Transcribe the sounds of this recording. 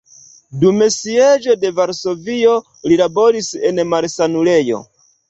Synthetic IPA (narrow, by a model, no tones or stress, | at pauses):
dume̞sied͡ʒo̞de̞vaɾso̞vio̞ | lilabo̞ɾise̞nmaɾsanuɾe̞jo̞̰